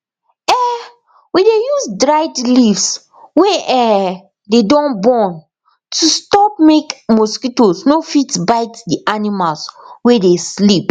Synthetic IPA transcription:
ɛ | widejuzdɹaɪdlifs | weʔɛ | dedɔ̃nbɔn | tʰustɔp̚mekmɔskitosnofitbaɪtdiʔanimalswedeslip

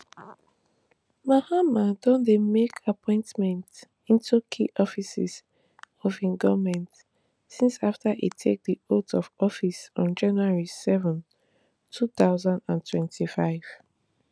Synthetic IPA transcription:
mahamãdɔ̃ndemekʰapʰɔ̃ɪ̃ntmɛ̃nt | ĩntʰukʰḭʔɔfisḭz̥ | ɔvĩŋɡɔmɛ̃nt | sĩnsaftʰaʔḭtʰek̚diotɔvɔfisɔ̃nd͡ʒãnuaɹisɛvɔ̃n | tʰuθaʊzãndãntʰwɛ̃ntʰifaɪv̥

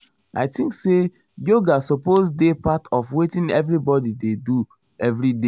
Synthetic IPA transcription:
a̰ɪtĩŋkse | joɡasɔpozdepatʰɔfwetĩnɛvɾibɔdidedu | ɛvɾide

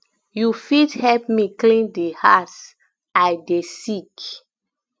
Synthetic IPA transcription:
jufithɛlpmiklĩndehas | ajdesik

